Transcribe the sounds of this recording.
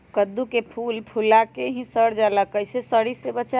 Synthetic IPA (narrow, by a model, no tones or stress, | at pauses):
kəd̪ukepʰulpʰulakeɦĩsəɽd͡ʒaləkəjsesəɽisebət͡ʃa